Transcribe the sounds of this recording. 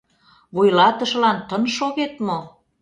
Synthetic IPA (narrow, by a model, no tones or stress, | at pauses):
βujlɑt̪əʃlɑnt̪ənʃoɣet̪mo